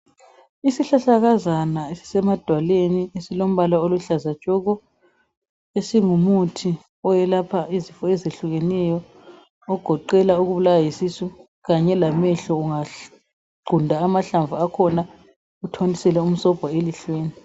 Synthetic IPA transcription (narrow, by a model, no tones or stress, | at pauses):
isiɬaɬaɣazanaesi̥sɛmad̥ʱwaleniesilom̩βalaoluɬazat͡ʃʼɔɣɔ | esiŋumutʰi | ɔjɛlapʰaizifɔɛzeɬuɣɛnɛjɔ | ɔɡ̥ʱɔǃɛlauɣuβulawajisisu | ɣaɲɛlamɛɬɔuŋa | ɡ͡ǃʱundʱaːmaɬaɱvuakʰɔna | utʰonisɛlɛum̩sɔb̥ʱɔeliɬweːni